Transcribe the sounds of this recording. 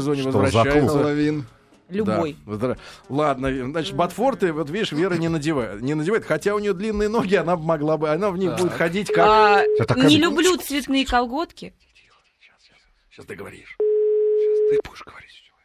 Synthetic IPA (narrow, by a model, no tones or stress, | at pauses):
zonʲɪvəzvɾɐɕːæjsəlˠɐvʲin | lʲʊbd̪aojvəzd̪ɾalˠad̪nəznat͡ɕɪ̥t̪̚bɐt̪fo̞rt̪ɨvo̞t̪vʲidʲɪʂvʲe̞ɾənʲɪnədʲɪvanʲɪnədʲɪvajɪt̪xɐtʲaʊnʲɪjod̪lʲinːɨjəno̞ɡʲɪɐnabɨmɐɡlˠabɨɐnavnʲixbudʲɪt̪xɐdʲitʲkat̪anʲɪlʲʊblʲut̪svʲɪt̪nɨjəkɐlˠɡo̞t̪kʲɪ | ɕast̪ɨɡəvɐ̰ɾʲḭʂ | ast̪ɨb̥u̥ɪ̥ʂɡ̥əvɐɾʲitʲ